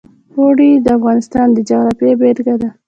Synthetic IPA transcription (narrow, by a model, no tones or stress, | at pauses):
oɽid̪əafɣɑnɪst̪ɑnd̪əd͡ʒaɣɾɑfebeɾɡad̪a